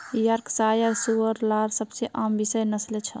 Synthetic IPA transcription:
jəɾksajaɾsuəɾlaɾsəbseʔambisəjnəslet͡ʃʰə

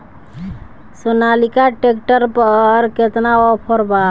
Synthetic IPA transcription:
sonalikaʈekʈəɾpəɾket̪naɔpʰəɾba

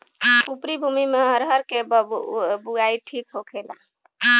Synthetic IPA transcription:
upɾibʱumimeɦəɾɦəɾkebbuɡaiʈʰikɦokʰela̰

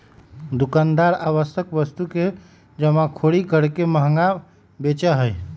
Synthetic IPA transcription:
d̪ukand̪aɾaʋəsəkbəst̪uke | d͡ʒəmãkʰoɽikəɾkeməɦŋɡa | bet͡ʃəɦəj

